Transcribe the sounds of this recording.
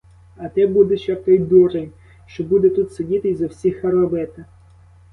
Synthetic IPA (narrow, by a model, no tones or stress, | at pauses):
ɐt̪ɛbud̪eʃɐt̪ɔjd̪ɔɾenʲ | ʃt͡ʃɔbud̪ɛt̪ut̪sedʲit̪ɪjzɐwsʲixɐɾɐʋɛt̪ɐ